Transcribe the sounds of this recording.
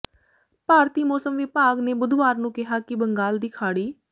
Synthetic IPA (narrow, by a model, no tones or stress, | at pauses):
paːɾt̪iːmɔːsəmʋɪpaːɡneːbʊd̪ʋaːɾnũːkɪɦaːkɪbəŋɡaːld̪iːkʰaːɽiː